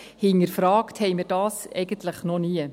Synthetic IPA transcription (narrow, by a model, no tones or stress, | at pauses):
hɪŋəɾfɾɑːkthɛjmɪɾd̥ɑːsɛ̰ɪɡ̥əntləχnɔniə